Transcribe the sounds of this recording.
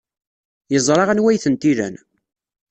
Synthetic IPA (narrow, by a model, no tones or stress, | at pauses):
jəzˤɾˤɑʁænwæjθənt̪iɾæ̰n